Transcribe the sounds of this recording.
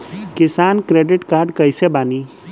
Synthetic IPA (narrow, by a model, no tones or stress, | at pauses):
kɪsaːnkɾeːɖɪʈkaːɾɖkɐisebaːniː